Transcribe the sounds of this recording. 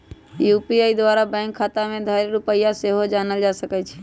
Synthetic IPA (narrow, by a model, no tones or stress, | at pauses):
jupiaːid̪ʋaːɾabɛ̃ŋkʰːaːt̪amẽd̪ʱəɾeɾʊpəijaseɦod͡ʒaːnəld͡ʒasəkɛt͡ʃʰɛ̥